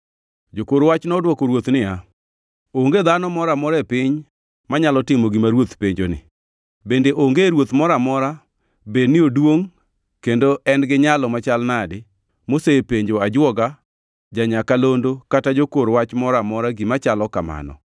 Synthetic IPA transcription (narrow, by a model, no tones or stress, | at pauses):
d͡ʒokoɾwat͡ʃnɔdwɔkoɾwot̪nɪa | oŋɡed̪anɔmɔɾamɔɾɛpɪɲ | maɲalɔtɪmoɡimaɾwot̪peɲd͡ʒonɪ̰ | bendeʔoŋɡeɾwot̪mɔɾamɔɾa | bednɪodwoŋ | kendoʔɛnɡɪɲalɔmat͡ʃalnadɪ | mosepeɲd͡ʒoad͡ʒwɔɡa | d͡ʒaɲakalondokatad͡ʒokoɾwat͡ʃmɔɾamɔɾaɡimat͡ʃalɔkama̰nɔ̰